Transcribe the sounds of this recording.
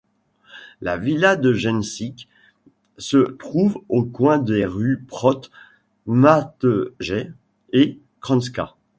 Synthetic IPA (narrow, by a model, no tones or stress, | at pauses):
la̰vilad̪əʒɛnsik | sət̪χuvokwɛ̃d̪eʁypχɔt̪ | mat̪əʒɛ | e | kχɑ̃ns̬ka̰